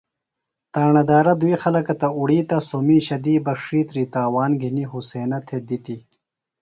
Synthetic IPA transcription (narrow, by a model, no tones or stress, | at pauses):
t̪aːɳɐd̪aːɾɐd̪uixɐlɐkɐt̪ɐuɽiːt̪ɐsomiːɕɐd̪iːbɐkʂiːt̪ɾiːt̪aːwaːnɡʱiniɦuseːnɐt̪ʰed̪it̪i